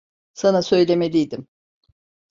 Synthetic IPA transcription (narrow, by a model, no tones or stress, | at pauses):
sanasø̞jlʲe̞me̞lʲijd̪im